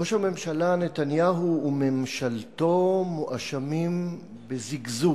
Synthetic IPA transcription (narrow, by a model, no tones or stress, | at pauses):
oʃhame̞mʃalane̞t̪anjaɦuːme̞mʃalt̪o̞muʔaʃamim | beziɡzu